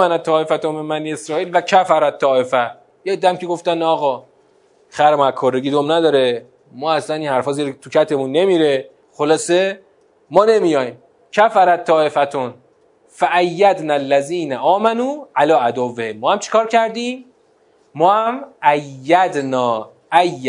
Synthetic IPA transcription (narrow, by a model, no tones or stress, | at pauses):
ænæt̪ʰːɒːe̞fæt̪omenmæniesɾɒːiːlvæcʰæfæɾæt̪ʰːɒːe̞fæ | jed̪ːæmkeɡoft̪ænɒːɣɒː | xæɾmækʰorːeɡiːd̪omnæd̪ɒːɾe | mɒːæslæniːnhæɾfɒːziːɾet̪ʰucʰæt̪ʰe̞munːe̞miːɾe̞ | xolɒːse̞ | mɒːne̞mijɒːjm | cʰæfæɾæt̪ʰːɒːe̞fæt̪ʰon | fæʔæjːæd̪nælːæziːnæʔɒːmænuːʔælɒːæd̪ovːehemːɒːhæmt͡ʃʰe̥kʰɒːɾcʰæɾd̪ĩːmː | ɒːhæmʔæjːæd̪nɒː | æjː